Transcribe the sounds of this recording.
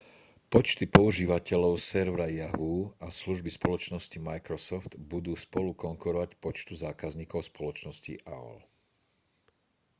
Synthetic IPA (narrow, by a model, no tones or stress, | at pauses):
pɔt͡ʃt̪ipɔuʒiːʋacɛʎɔʊsɛɾʋɾajaɦuasluʒbispɔlɔt͡ʃnɔscimajkɾɔsɔft̪bud̪uːspɔlukɔŋkuɾɔʋacpɔt͡ʃt̪uzaːkazɲiːkɔʊspɔlɔt͡ʃnɔscḭʔa̰ɔ̰l